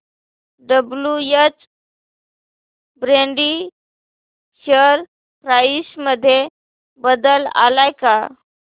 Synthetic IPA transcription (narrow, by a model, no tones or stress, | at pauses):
ɖəblujət͡s | bɾẽɳɖi | ɕəɾ | pɾajsməd̪ʱːje | bəd̪əla̰lajka